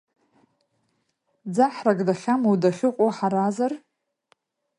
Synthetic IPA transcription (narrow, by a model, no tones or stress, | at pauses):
d͡zaħraɡʼdaχʲamowdaχʲɪqʷʼoħaɾazar